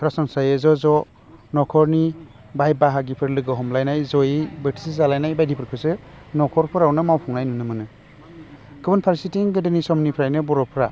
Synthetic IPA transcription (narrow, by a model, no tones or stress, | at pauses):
ɾasɔnsajezɔzɔ | nɔkʰɔɾni | bajbaɦaɡipʰɯɾlɯɡɯɦɔmlajnajzɔjibetʰi̥sizalajnajbajdipʰɯɾkʰɯsɯ | nɔkʰɔɾpʰɯɾawnɯmawpʰɔŋnajnunɯmɯnɯ | kʰɯbɯnpʰaɾisitiŋɡɯdenisɔmnipʰɾajnɯbɔɾɔpʰɾa